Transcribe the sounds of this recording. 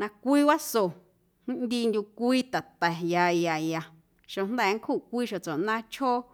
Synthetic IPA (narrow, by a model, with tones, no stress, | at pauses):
nã˧kʷiː˦wa˦so˨ | hĩ˦nd̪i˧ndʲu˧kʷiː˦t̪a˨t̪ɛ˨ja˧ja˧ja˧ | ʃo˨nd̪ɛ˦˧˨ŋ˦kʰu˦˨kʷiː˦ʃo˨t͡so˨ʔnã˦t͡ʃʰo˦